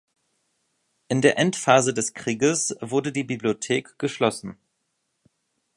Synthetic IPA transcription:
ʔɪndeːɐʔɛntfaːzədɛskʁ̥iːɡəsv̥ʊɐdədiːbibliotʰeːkɡ̥əʃlɔsn̩

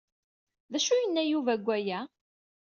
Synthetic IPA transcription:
ðæʃujənːæjuvæɡʷːæjæ

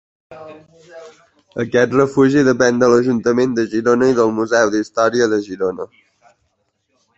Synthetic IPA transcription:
əkɛt̪rəfuʒiðəpɛnd̪ələʒunt̪əmend̪əʒiɾonəiðəlˠmuzɛwðist̪ɔɾiəðəʒiɾonə

